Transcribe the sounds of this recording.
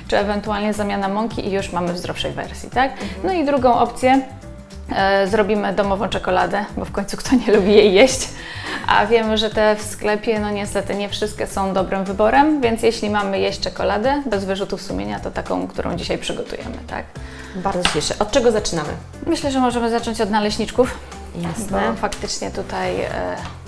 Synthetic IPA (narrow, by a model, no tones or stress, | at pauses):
t͡ʂɘɛvɛnt̪ualɲɛzamʲjanamɔŋkʲḭʔijuʂmamɘvzɾɔfʂɛjvɛ̰ɾsʲjḭt̪aknɔid̪ɾuɡɔ̃w̃ʔɔp̚t̪sʲjɛ | zɾɔbʲimɘd̪ɔmɔvɔ̃w̃t͡ʂɛkɔlad̪ɛbɔfkɔɲ̃ʲt̪sukt̪ʰɔɲɛlubʲijejːeɕt͡ɕ | ʔa̰vʲjɛmɘʐɛt̪ɛfsklɛpʲjɛnɔɲɛst̪ɛt̪ɘɲɛfʂɘst̪̚kʲɛsɔ̃w̃d̪ɔbɾɘmvɘbɔɾɛmvʲjɛnt̪sʲjeɕlʲimamɘjeɕt͡ɕt͡ʂɛkɔlad̪ɛbɛzvɘʐut̪ufsumʲjeɲat̪ɔt̪akɔ̰̃w̃kt̪uɾʔɔ̰̃w̃d͡ʑiɕajpʂɘɡɔt̪ṵjɛ̰mɘ̰t̪ʰa̰k | baɾd̪zɔt͡ɕɛʂɛ̰ʔɔt̪̚t͡ʂɛɡɔzat͡ʂɘnamɘ̰ | mɘɕlɛʐɛmɔʐɛmɘzat͡ʂɔɲt͡ɕɔd̪nalɛɕɲit͡ʂkuf | jasbɔfakt̪ɘt͡ʂɲɛt̪ut̪aj̰